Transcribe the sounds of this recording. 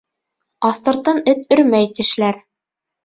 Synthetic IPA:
ɑθt̪ɑ̆ɾt̪ːɑnɘt̪̚ɵ̆ɾmæjt̪ɘ̆ʃlæɾ

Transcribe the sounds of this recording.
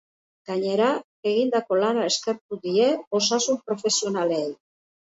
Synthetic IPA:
ɡ̥aɲe̞ɾa | e̞ɣind̪ako̞lanae̞ske̞ɾt̪uðie̞o̞sasumpɾo̞fe̞sio̞nale̞j

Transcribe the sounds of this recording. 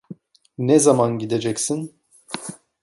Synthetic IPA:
nɛzamanɟid̪ed͡ʒɛcsin

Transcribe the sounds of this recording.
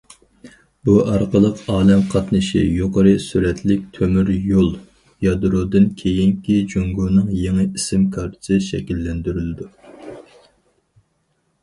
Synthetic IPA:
buʔɑɾqəlˠəqɑːlɛmqʰɑt̪nɨʃḭjoqəɾɨsuɾɛt̪lɪk̚ʲt̪ʰømyɾjolˠ | jɑd̪ɾod̪ɨnkʲʰejiŋkʲid͡ʒoŋɡunɨŋjeŋɨisɪmkʰɑɾt̪ʰsɨʃɛ̰kʲilːɛnd̪yɾylɪd̪u

